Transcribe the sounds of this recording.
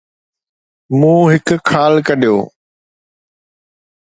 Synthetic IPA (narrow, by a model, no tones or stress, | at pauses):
mũːɦɪkkʰːaːlkɐɗijoː